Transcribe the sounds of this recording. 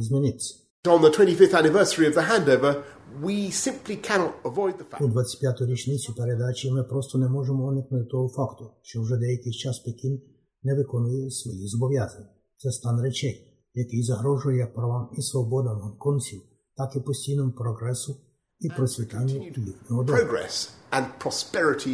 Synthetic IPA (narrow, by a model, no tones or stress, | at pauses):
izmʲɛnit̪si̥ | n̩ðətʰw̥ɛ̃ntifɪfθænɪvɜˑ˞səɹiʌvðəɦæ̃ndoʊvə | wisɪ̃mplikʰænɔɾəvɔɪd̪̚ðəfud̪ʋat̪se̥t̪ʲpʲjat̪ɔjɾjet͡ʃnit̪sipeɾɛd̪at͡ʃimɛpɾost̪onɛmoʒɛmooniknut̪t̪oɡofakt̪ut͡ʃɛuʒɛd̪ejkit͡ʃaspekin | nɛʋɪkɔnʊjɛsʋɔjizɔbɔʋjazɐnʲ | t̪sɛst̪anɾɛt͡ʃɛj | jakizɐɦɾɔʒʊjɐjak̚pɾaʋamisʋɔbɔd̪ɐnankɔnt̪sʲiw | t̪akɪpɔsʲcʲijnɔmupɾɔɡɾɛsʊ | ipɾɔsʲʋʲɛt̪ɛɲːuilʲipnɔɦɔd̪ʊɡɹɛ̰sə̃npʰɹ̥ɑspɛɹɪtʰi